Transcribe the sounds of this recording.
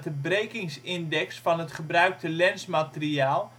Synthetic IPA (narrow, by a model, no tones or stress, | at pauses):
təbrejkɪŋsɪndɛksfɑnɦətχəbrœɥk̚təlɛnsmatəriaːlˠ